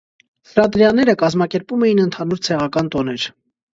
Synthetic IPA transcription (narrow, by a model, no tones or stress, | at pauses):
həɾɑt̪əɾjɑnːɛɾəkɑzmɑkɛɾpumɛjinənt̪ʰɑnuɾt͡sʰɛʁɑkɑnt̪ɔnɛɾ